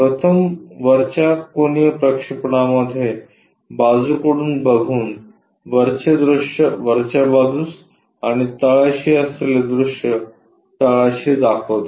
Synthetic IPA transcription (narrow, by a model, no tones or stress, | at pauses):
pɾət̪ʰəmʋəɾt͡ɕakonijəpɾəkʂipɽaməd̪ʱːje | bad͡zukəɽuːnbəɡʱuːn | ʋəɾt͡ɕed̪ɾuʂjəʋəɾt͡ɕabad̪uːs | aɽ̃it̪əɭaɕiəsleled̪ɾuʂjə | t̪əɭaɕid͡zakʰot̪